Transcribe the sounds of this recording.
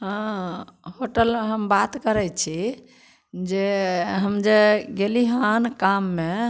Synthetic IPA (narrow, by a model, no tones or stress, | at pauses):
ɦã | hoʈəlmeɦəmbat̪kəɾɛt͡ʃʰi | d͡ʒeɦəmd͡ʒeɡeliɦankamːe